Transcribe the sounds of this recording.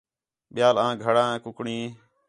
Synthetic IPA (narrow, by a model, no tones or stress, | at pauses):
ɓɪjaːlãːɡʱəɽãːkʊkɳĩː